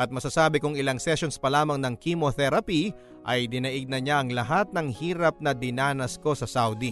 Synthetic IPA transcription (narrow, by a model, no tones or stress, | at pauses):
ʔɐt̪̚mɐsɐsaːbɪkʊŋɪlaŋsɛsonspɐlaːmɐŋnɐŋkimoθɛɾɐpi | ʔɐjd̪ɪnɐʔɪɡ̚nɐɲaɐŋlɐɦat̪̚nɐŋhiːɾɐp̚nɐd̪ɪnaːnɐsko̞sɐsawd̪i